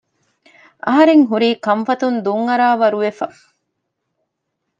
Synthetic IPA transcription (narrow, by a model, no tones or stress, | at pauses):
ʔɐɦɐɾeŋɦuɾiːkɐɱfɐt̪und̪uŋːɐɾaːʋɐɾuʋefɐ